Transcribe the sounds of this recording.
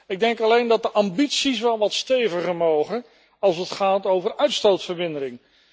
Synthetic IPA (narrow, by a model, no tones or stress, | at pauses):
ɪɡ̚dɛŋkɑlejndɑt̚dəʔɑmbitsis̬ʋɛlˠʋɑtstejvəχəɹmowχə | ɑlˠsətχaːtowvərœɥtstowtfəɹmɪndəɾɪŋ